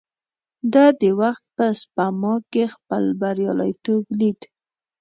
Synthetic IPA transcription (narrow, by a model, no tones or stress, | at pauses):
d̪ad̪əwaxt̪̚pəspamɑkːexpəlbaɾjɑla̰jt̪oblid̪